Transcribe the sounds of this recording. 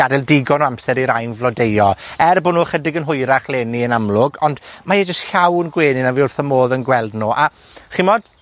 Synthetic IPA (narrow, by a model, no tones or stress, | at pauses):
adɛlˠdɪɡɔnoamsɛɾiɾajnvlˠɔdejɔɛrbonuːχədɪɡənɦʊjɾaχlˠeːniənamlˠʊɡɔndmajɛd͡ʒəstɬawnɡweːnɪnaviʊrθəmoːðənɡwɛlˠdnoːʔa | χɪmɔd̥